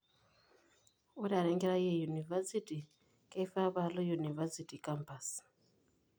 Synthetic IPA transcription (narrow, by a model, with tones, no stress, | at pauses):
o˦ɾia˨ɾe˦ŋɡeɾa˦je˦ju˨ni˨va˦siti | kaifa˦βa˦lo˦ju˨ni˨va˦siti˨kampasi̥